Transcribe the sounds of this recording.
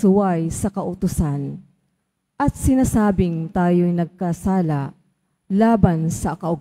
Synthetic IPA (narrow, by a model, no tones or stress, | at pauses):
ʊwajsɐkɐʔʊt̪ʊsan | ʔɐt̪̚sɪnaːsaːbɪŋt̪aːjojnɐɡ̚kasaːla | laːbansɐkɐʔʊɡ